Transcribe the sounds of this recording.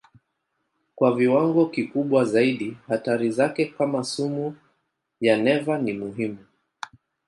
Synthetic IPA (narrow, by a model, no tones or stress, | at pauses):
kwaviwaŋɡɔkikuɓwazaiɗihataɾizakɛkamasumu | janɛvanimuɦimu